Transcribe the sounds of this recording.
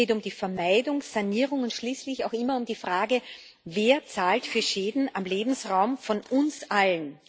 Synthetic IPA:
eːtʊmd̥iːfɛɐmaɪdʊŋ̥ːaniːʁʊŋʊntʃliːslɪçaʊxɪmɐʊmdiːfʁ̥aːɡə | veːɐt͡saːltfyːɐʃeːdn̩amleːbm̩sʁaʊmfɔnʊnsʔalən

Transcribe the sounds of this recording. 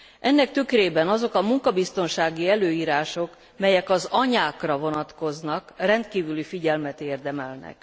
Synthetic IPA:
ʔɛnːɛkt̪ykreːbɛnɒzo̞kɒmuŋkɒbist̪o̞nʃaːɡiɛløːiːɾaːʃo̞k | mɛjɛkɒzɒɲaːkrɒvo̞nɒt̪ko̞znɒkrɛnt̪kiːvylifiɟɛlmɛt̪eːrd̪ɛmɛlnɛ̰k

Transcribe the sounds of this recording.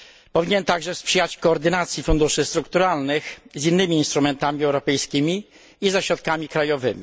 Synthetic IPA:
pɔvʲiɲɛnt̪aɡʐɛspʂɘjat͡ɕkɔːɾd̪ɘnat̪sʲjifund̪uʂɘst̪ɾukt̪uɾalnɘxzinːɘmʲiːnst̪ɾumɛnt̪amʲiɛwɾɔpɛjskʲimʲiː | zaɕɾɔt̪̚kamʲikɾajɔvɘmʲi

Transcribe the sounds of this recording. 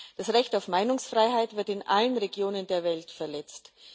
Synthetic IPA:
d̥asʁɛçtaʊfmaɪnʊŋsfʁ̥aɪɦaɪtv̥ɪɐtɪnʔalənʁeɡjoːnəndeːɐvɛltfɛɐlɛt͡st

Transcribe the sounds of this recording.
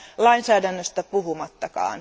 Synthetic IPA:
lɑinsæːdænːøst̪æpuɦumɑt̪ːɑkɑ̰ːn

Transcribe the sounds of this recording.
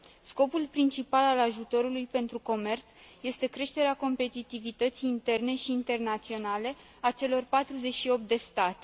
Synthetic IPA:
sko̞pulpɾint͡ʃipalalaʒut̪o̞ɾulujpe̞nt̪ɾuko̞me̞rt̪sje̞st̪e̞kɾe̞ʃt̪e̞ɾeako̞mpe̞t̪it̪ivit̪ət̪siːnt̪e̞rne̞ʃiːnt̪e̞rnat̪sio̞nale̞ | at͡ʃe̞lo̞rpat̪ɾuze̞t͡ʃʃio̞p̚t̪̚d̪e̞st̪at̪e

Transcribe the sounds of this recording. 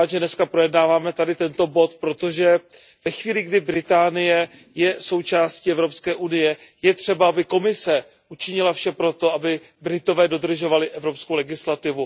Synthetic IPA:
d̪ʒɛnɛskapɾo̞jɛdnaːvaːmɛt̪adɪt̪ɛnt̪o̞bo̞t̪pɾo̞t̪o̞ʒɛ | vɛxviːlɪɡdɪbɾɪt̪aːnɪjɛ | jɛso̞wt͡ʃaːsciɛvɾo̞pskɛːʔunɪjɛjɛt̪r̝̥ɛbaabɪko̞mɪsɛ | ʔut͡ʃɪɲɪlafʃɛpɾot̪o̞abɪ | bɾɪt̪o̞vɛːdo̞d̪r̩ʒo̞valɪʔɛvɾo̞psko̞wlɛɡɪslat̪ɪvu

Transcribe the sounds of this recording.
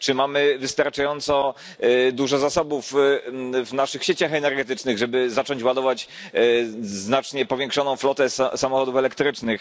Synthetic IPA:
t͡ʂɘmamɘvɘst̪aɾt͡ʂajɔnt̪sɔ | d̪uʐɔzasɔbuf | vnaʂɘxɕet͡ɕaxɛnɛɾɡɛt̪ɘt͡ʂnɘɣʐɛbɘzat͡ʂɔɲt͡ɕwad̪ɔvat͡ɕ | znat͡ʂɲɛpɔvʲjɛŋkʂɔnɔ̃w̃flɔt̪ɛssamɔxɔd̪ufɛlɛkt̪ɾɘt͡ʂnɘx

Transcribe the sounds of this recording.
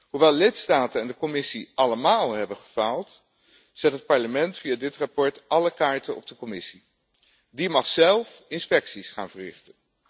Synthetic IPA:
ɦuʋɛlˠlɪtstaːtəɛndəkɔmɪsiʔɑləmaːlˠɦɛbənχəvalˠt | z̥ɛtɦət̚pɑɹləmɛntfijaːdɪtrapɔɹtʔɑləkaːɹtənɔ̰b̚dəkɔmɪsi | dimɑχsɛlˠfɪnspɛksisχa̰ːnvəɹrɪ̰χtən

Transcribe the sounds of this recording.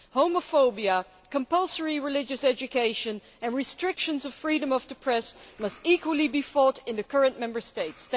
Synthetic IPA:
hoʊməfoʊbiə | kə̃mpʌlˠsə˞iɹɨlɪd͡ʒɨsɛd͡ʒɨkʰeɪʃɨ̃n | ɨ̃nɹɨstɹ̥ɪkʃɨ̃nzʌvfɹiɾə̃mʌvdɨpʰɹ̥ɛsmʌstikwəl̩ˠibifɔɾɨ̃nðɨkʰɜ˞ɨ̃nmɛ̃mbə˞steɪts

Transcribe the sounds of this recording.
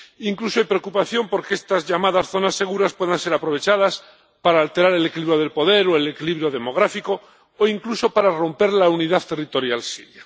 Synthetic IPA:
iŋklusoajpɾe̞okupaθjo̞mpo̞ɾkeest̪azʝamaðasθo̞nasːe̞ɣ̞uɾaspwe̞ðanse̞ɾapɾo̞β̞e̞t͡ʃaðas | paɾaːlt̪e̞ɾaɾe̞lekiliβɾjoð̞elpo̞ðe̞ɾoelekiliβɾjo̞ðe̞mo̞ɣ̞ɾafiko̞ | oiŋkluso̞paɾaro̞mpe̞ɾlauniðaθt̪e̞rit̪o̞ɾjalsiɾja

